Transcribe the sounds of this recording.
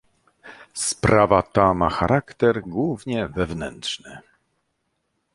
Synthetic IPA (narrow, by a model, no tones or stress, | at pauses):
spɾʔavat̪amaxaɾʔakt̪ɛɾɡwuvɲɛvɛvnɛ̰nt̪ʂnɘ